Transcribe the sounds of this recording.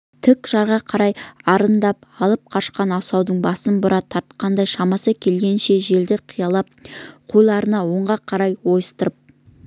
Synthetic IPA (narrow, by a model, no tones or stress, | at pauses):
t̪ʰɪkʒ̥ɑɾʁɑqʰɑɾɑjɑɾənd̪ɑp̚ɑlˠəp̚qʰɑʃqɑnɑsɑwd̪əɴbɑsənbʊɾɑt̪ʰːɑɾt̪̚qʰɑnd̪ɑjʃɑmɑsəkʲʰe̞lɡʲe̞nʃe̞ʒe̞ld̪ɪqʰijɑlˠɑp̚qʰojlˠɑɾənɑwoɴʁɑqʰɑɾɑjwo̞jəst̪əɾəp̚